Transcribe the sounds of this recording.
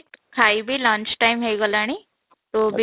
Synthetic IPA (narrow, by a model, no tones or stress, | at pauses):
kʰaibʱiːlãnt͡ʃʈaimɦejɡolaɽ̃i | t̪obʱi